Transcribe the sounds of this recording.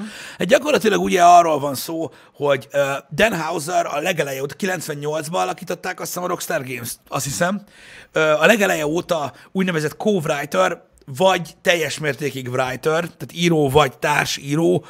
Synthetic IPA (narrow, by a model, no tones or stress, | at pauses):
hat̪̚ɟɒkorlɒt̪ilɒɡuɟɛɒrːoːlvɒnsoː | ho̞ɟøːd̪ɛnɦawzɛɾɒ̰lɛɡɛlɛjɛoːt̪ɒ̥kilɛnsʋɛɲɲo̞ld̪zbɒːlɒkiːt̪o̞t̪ːaːkɒst̪aːmɾo̞kst̪arɡeːmst̪ɒst̪hisɛmøːɒlɛɡɛlɛjɛoːt̪ɒuːɟnɛvɛzɛt̪kʰoːvrajt̪ør | vɒɟt̪ɛjːɛʃmeːrt̪eːkiɡvrajt̪ørt̪aːt̪iːɾoːvɒɟt̪aːrʃiːɾoː